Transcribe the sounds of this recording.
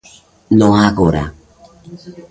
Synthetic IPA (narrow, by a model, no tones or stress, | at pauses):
noakoɾa̰